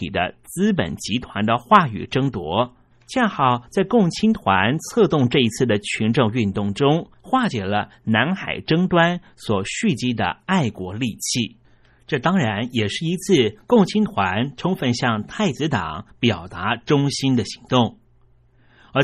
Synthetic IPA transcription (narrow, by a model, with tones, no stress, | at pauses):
ḭ˨˩d̪ə̰˦t͡sɹ̩˥pə̰˨˩nt͡ɕi˧˥t̪ʰwa˧˥nd̪ə˧xwa˥˩y̰˨˩ʈ͡ʂɤ˥ŋt̪wɔ̰˧˥ | t͡ɕjɛ˥˧nxɑ˥˩ʊt͡sa˥˧ɪkʊ˥˩ŋt͡ɕʰi˥nt̪ʰwa˧˥nt͡sʰɤ˥˧t̪ʊ˥˧ŋʈ͡ʂɤ˥˩i˧˥t͡sʰɹ̩˥˩d̪ə˩t͡ɕʰy˧˥nʈ͡ʂʊ˥˧ŋy˥˧nt̪ʊ˥˩ŋʈ͡ʂʊ˥ŋ | xwa˥˩t͡ɕjɛ˨˩lə˦na˧˥nxa̰˨˩ɪʈ͡ʂɤ˥ŋt̪wa˥n | swɔ˨˩ɕy˥˩t͡ɕi˥d̪ə̰˨a˥˩ɪkwɔ˧˥li˥˧t͡ɕʰi˥˩ | ʈ͡ʂɤ˥˩t̪ɑ˥ŋɻa˧˥njɛ˨˩ʂɻ̩˥˩i˧˥t͡sʰɹ̩˥˩kʊ˥˩ŋt͡ɕʰi˥ŋt̪ʰwa˧˥nʈ͡ʂʰʊ˥ŋfə˥˧nɕjɑ˥˧ŋt̪ʰa˥˩ɪt͡sɹ̩˧˥t̪ɑ˨˩˦ŋpjɑ˨˩ʊt̪a˧˥ʈ͡ʂʊ˥ŋɕi˥nd̪ə˨ɕi˧˥ŋt̪ʊ˥˩ŋ | ə˞˧˥